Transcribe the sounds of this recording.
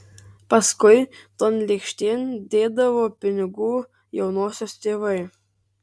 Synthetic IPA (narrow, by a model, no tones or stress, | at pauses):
pɐskʊɪt̪onlʲikʃʲt̪ʲeːnʲd̪ʲeːd̪ɐʋoːpʲɪnʲɪɡuː | jɛʊnoːsʲoːst̪ʲeːʋɐɪ